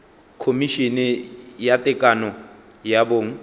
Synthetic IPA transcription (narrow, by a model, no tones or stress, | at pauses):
kʰomiʃinɛjatʼɪkʼanɔ | jaboːŋ̩